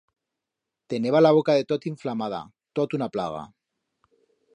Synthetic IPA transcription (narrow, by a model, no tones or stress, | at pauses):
t̪e̞ne̞βalaβokaðe̞t̪ot̪iɱflamað̞a̰ | t̪ot̪unaplaɣ̞a̰